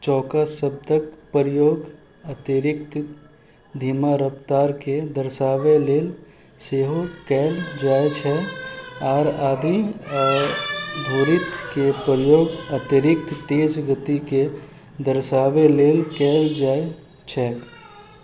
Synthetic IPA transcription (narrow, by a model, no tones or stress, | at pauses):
t͡ʃɔːkasəb̚d̪əkpəɾɪjoːɡ | ət̪iɾɪk̚t̪ | d̪ʱiːmaɾəpt̪aːɾked̪əɾʃaːʋeleːl | seːɦokɛːld͡ʒaːet͡ʃʰɛ | ɔːɾaːd̪ʱi | d̪ʱoːɾɪt̪kepəɾəjoːɡət̪ɪɾɪkt̪t̪eːd͡ʒɡət̪ike | d̪əɾʃaːʋeleːlkɛːld͡ʒaːe | t͡ʃʰɛː